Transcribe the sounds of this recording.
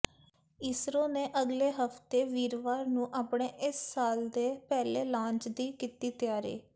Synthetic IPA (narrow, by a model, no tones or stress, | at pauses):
isɾoːnẽːʔəɡleːɦəft̪eːʋiːɾʋaːɾnũːʔaːpɳeːʔɪsːaːld̪eːpɛːleːlãːɲt͡ʃd̪iːkiːt̪iːt̪ɪjaːɾḛː